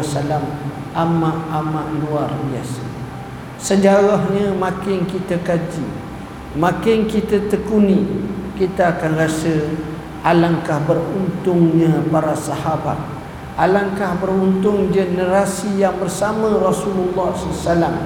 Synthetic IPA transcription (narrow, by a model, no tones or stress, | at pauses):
salam | ʔamaʔamaʔluarbia̰sa | səd͡ʒaɣahɲə̃mãkɪŋkit̪akad͡ʒi | mãkɪŋkit̪at̪əkunikit̪aːkanrasə | ʔalaŋkahbərunt̪ʊŋɲãpaɾasaɦaba̰t̪̚ | alaŋkahbərunt̪ʊŋd͡ʒənəɾasijaŋbərsamãrasululːɔhssalam